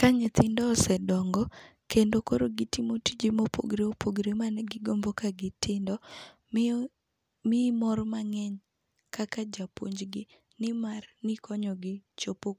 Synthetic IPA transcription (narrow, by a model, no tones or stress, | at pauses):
kaɲɛt̪ɪndɔːsɛdɔŋɡɔ | kendokoɾoɡɪtimotid͡ʒemopo̰ɡɾeopʰoɡɾemanɛɡɪɡombokaɡɪtʰɪndɔ | m | mɪmɔrmaŋɛɲ | kakad͡ʒapoɲd͡ʒɡɪ | nɪmarnɪkʰɔɲɔɡɪt͡ʃopo